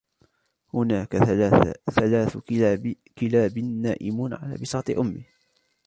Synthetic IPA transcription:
hʊnaːkaθalaːθ | kɪlaːbːaːʔɪmunʕa̰la̰ːbɪsɑːt̪ˤɨʔʊmːɪh

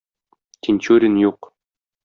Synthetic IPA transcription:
t̪ʲɪnʲt͡ɕʉɾʲinjuq

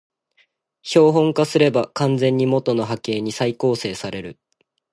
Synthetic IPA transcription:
ço̞ːɦõ̞ŋkasɨɾe̞bakãnd͡zẽ̞ɲ̟ːimo̞t̪o̞no̞ɦake̞ːɲ̟isaiko̞ːse̞ːsaɾe̞ɾɯ̟

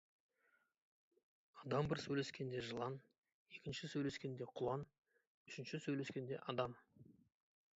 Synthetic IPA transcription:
ɑd̪ɑmbɪɾsɵjle̞skʲe̞nd̪e̞ʒəlˠɑn | e̞kʲɪnʃɪsɵjle̞skʲe̞nd̪e̞qʰʊlˠɑn | ʏʃɪnʃɪsɵjle̞skʲe̞nd̪e̞̰ʔɑd̪ɑm

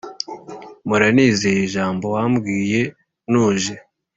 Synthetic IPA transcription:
muɾaniːzejiʒaːmbo̞wambɡiːje̞ | nuːʒe

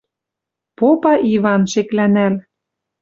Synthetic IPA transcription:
popɑʔiβɑnʃeklænæl

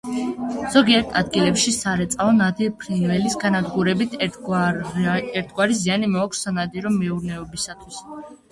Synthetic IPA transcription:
z̥ɔɡiɛɾt̪ʰad̪ɡilɛpʃisaɾɛt̪sʼaɔnad̪iɾpʰɾinvɛlisɡanad̪ɡuɾɛbit̪ʰ | ɛɾt̪ʰɡwaɾizianimɔːkʷʰsːanad̪iɾɔmɛuɾnɛɔbisat̪ʰwis

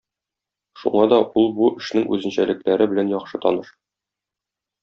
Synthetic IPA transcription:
ʃṵɴɑd̪ɒulˠbuʔɘ̆ʃnɘŋʔʉ̰zɘ̆nɕælɘ̆klæɾɘbɘ̆lænjɒχʃɤt̪ɒ̰nɤʃ

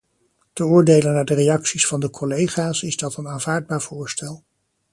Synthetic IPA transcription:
təʊːɹdejlənːaːdərejɑksisfɑndəkʰɔlejχaːsɪzdɑtənaːnv̥aːɹd̚baːɹv̥ʊːɹstɛlˠ

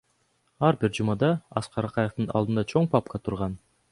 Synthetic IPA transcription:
ɑɾbiɾd͡ʒumɑd̪ɑɑsqɑɾɑqɑjeft̪ɯnɑ̰lˠd̪ɯnd̪ɑt͡ʃʰo̞ɴpɑp̚kɑt̪ʰuɾʁɑn

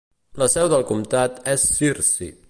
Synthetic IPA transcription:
ləsɛwðəlˠkumt̪at̪ɛsːiɾsḭ

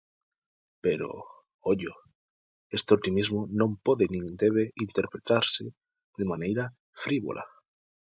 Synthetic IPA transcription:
peɾo̰ | oʎo | est̪eot̪imizmonõmpoðenĩŋd̪eβ̞eint̪eɾpɾet̪aɾse | ðemanejɾa | fɾiβo̰lʔa̰

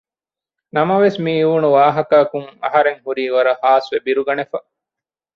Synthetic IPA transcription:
nɐmɐʋesmiːuːnuʋaːɦɐkɐːkuŋɐ̰ɦɐɾeŋhuɾiːʋɐɾɐhaːsʋebiɾuɡɐnefɐ

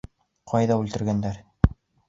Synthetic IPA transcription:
qʰɑjðɑʉlt̪ɘ̆ɾɡænd̪æɾ

